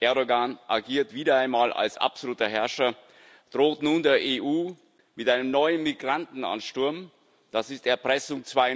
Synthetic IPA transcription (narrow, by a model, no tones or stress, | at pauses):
ʔɛɐdoɡaːnʔa̰ɐɡiːɐtv̥iːdɐaɪnmaːlʔa̰lsʔa̰pz̥oluːtɐɦɛɐʃɐ | d̥ʁoːtnuːndeːɐʔeːʔuː | mɪtʔaɪnəmnɔʏənmiɡʁantn̩a̰nʃtʊɐm | d̥asɪstɛɐpʁ̥ɛsʊŋt͡sv̥aɪ